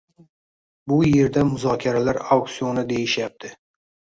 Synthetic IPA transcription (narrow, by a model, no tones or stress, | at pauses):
bʊje̞ɾd̪amʊzɒkʲʰaɾalaɾawk̪sionɪd̪e̞jɪʃjap̚t̪ʰɪ